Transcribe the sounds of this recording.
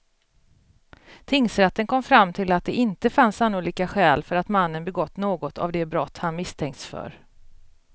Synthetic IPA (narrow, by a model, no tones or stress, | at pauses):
t̪ʰɪŋsɾɛt̪ːənkʰɔmfɾamːt̪ʰɪlat̪̚d̪ɛɪnt̪əfansanːʊliːkaɧɛːlfœɾat̪manːənbɛɡɔt̪ːnoːɡɔt̪ʰa̰vd̪ɛbɾɔt̪ːhanmɪst̪ʰɛŋkt̪sfœ̰ɾ